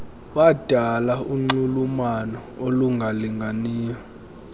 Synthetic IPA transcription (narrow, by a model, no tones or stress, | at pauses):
wad̥ʱalauŋ͡ǀulumanɔoluŋɡʱaliŋɡʱaniːjɔ